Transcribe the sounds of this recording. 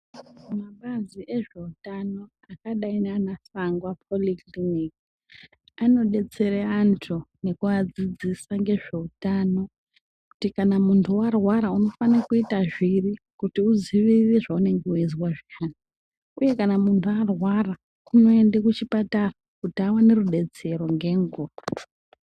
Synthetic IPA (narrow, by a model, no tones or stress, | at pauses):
umaɓaziʔeʐe̞utano̞ | akaɗaineanasaŋɡwapʰo̞likliniki | ano̞ɗe̞t͡se̞ɾeantʰune̞kuad͡zid͡zisaŋɡe̞ʐe̞utano̞ | kutikanamuntʰuwarwaɾauno̞fanakuitaʐiri | kutiuziʋiʋiʐaune̞ŋɡeuezwaʐiana | uje̞kanamuntʰuarwara | uno̞e̞ndekut͡ʃipatarakutiawane̞ruɗe̞t͡se̞ɾo̞ŋɡe̞ŋɡura